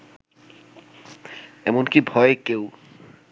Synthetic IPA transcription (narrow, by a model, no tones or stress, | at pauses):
ɛmonkibʱɔekew